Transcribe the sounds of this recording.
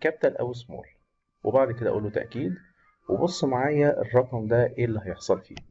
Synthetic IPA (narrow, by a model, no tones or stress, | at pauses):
kæb̚t̪ælʔæ̰wesmo̰ːl | webaʕd̪ked̪æʔuːlːut̪æ̰ʔkiːd̪ | webosˤːmaʕaːjæʔḛrˤːɑqmd̪æʔeːlːæhɑjeħsˤɑlfḭː